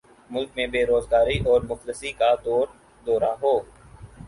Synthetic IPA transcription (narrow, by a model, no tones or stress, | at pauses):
mʊlkmẽbeːɾoːzɡaːɾiʔɔːɾmʊxd̪əsikad̪ɔːɾ | d̪ɔːɾaɦoː